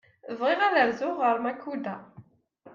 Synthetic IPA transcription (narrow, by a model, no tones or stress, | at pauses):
əvʁɪʁæðəɾzʊʁəɾmækːud̪æ